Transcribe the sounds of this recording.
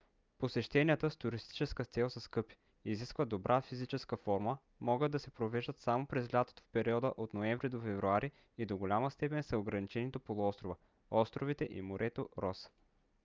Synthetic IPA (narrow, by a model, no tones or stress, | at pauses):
posɛʃt̪ɛniət̪əst̪ʊɾist̪i̥t͡ʃɛskət̪sɛlˠsɐskɤpi̥ | iziskvəd̪obɾʔafizit͡ʃɛskəfɔɾmə | mɔɡəd̪ːɐsɛpɾovɛʒd̪ət̪samopɾɛzlʲat̪o̥t̪o̥fpɛɾiɔd̪əʔot̪noɛɱvɾid̪ofɛvɾuaɾi | id̪oɡolʲaməst̪ɛpɛnsɐoɡɾɐnit͡ʃɛnit̪opolˠʊɔst̪ɾovə | ɔst̪ɾovit̪ɛʔḭmoɾʔɛt̪oɾɔs